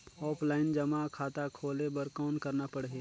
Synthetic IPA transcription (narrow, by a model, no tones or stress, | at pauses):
ɔːpʰlaːɪnd͡ʒɐmakʰaːt̪akʰoːlebəɾkaʊnkəɾnapəɽeː